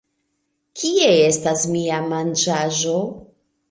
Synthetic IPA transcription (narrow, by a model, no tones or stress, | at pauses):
kʰie̞e̞stasmiamand͡ʒaʒo̞